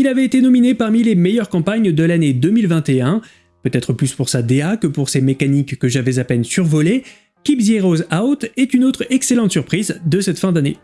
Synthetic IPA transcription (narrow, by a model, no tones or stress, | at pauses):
ilavɛet̪enɔminepaʁmilemejœʁkɑ̃paɲd̪əlaned̪ømilvɛ̃t̪eɛ̃ | pøt̪ɛt̪χəplyspuʁsad̪eakəpuʁsemekanikːəʒavɛzapɛnsyʁvɔle | kʲibzjeʁozawt̪ɛt̪ynot̪χɛkselɑ̃t̪syʁpχizd̪əsɛt̪fɛ̃d̪anḛ